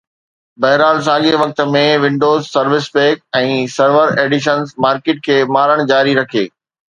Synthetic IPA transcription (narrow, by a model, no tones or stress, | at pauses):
bɐɦɾaːls̬aːɠeʋɐk̚t̪̆mẽʋɪ̃ɳɖoːzsɐɾʋɪspeːk̚ɛ̃ːsɐɾʋəɾeːɖɪʃ̬ənzmaːɾkeːʈ̚kʰeːmaːɾəɽ̃d͡ʑaːɾiɾɐkʰḛː